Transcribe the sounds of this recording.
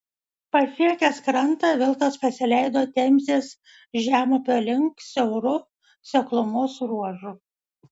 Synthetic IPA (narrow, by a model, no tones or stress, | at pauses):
pɐfʲiɛkʲɛskɾɐnˑt̪ɑʋʲɪlˠt̪ɐspɐsʲɪlʲɛɪd̪oːt̪ʲɛmʲzʲeːs | ʒʲæːmoːpʲoːlʲɪŋksʲɛʊɾʊ | sʲɛklˠʊmʊsɾuɔʒʊ